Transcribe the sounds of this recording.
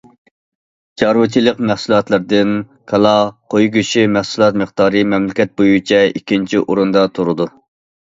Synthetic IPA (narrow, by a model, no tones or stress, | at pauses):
t͡ʃʰɑɾwɨt͡ʃʰilˠəqmæhsulˠɑt̪lˠɪɾd̪ɪn | kʰɑlˠɑqʰojɡʲyʃimæhsulˠɑt̪məχd̪̥ɑːɾɨmɛmlɪkʲɛt̪̚bojut͡ʃʰɛikʲʰːint͡ʃʰiʔoɾund̪ɑt̪ʰoɾɨd̪u